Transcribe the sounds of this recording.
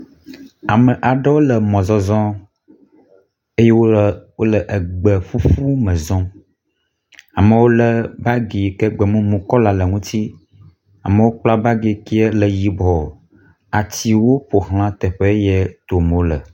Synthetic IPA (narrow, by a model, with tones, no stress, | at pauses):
a˨mə˨ʔa˨ɖɛ˦wo˦lə˨mɔ̃˨zɔ˨zɔ̃˦ | e˦jɛ˦wo˦wo˦lə˨ʔə˨ɡ͡bə˨ɸu˦fu˦mə̃˨zɔ̃˦ | a˨mə˨wo˦lə˦ba˦ɡe˨ke˦ɡ͡bɛ˨mũ˦mũ˨kɔ˦la˨lə˨ŋũ˦t̪i˦ | a̰˨mə˨wo˦k͡pla˦ba˦ɡe˨ki˦ɛ˦lə˨ji˨bɔ˨ | a˨t͡ɕi˨wo˦ɸo˨hl̃ã˦t̪ɛ˨ɸe˦jɛ˦t̪o˨m˨wo˦lə̰˨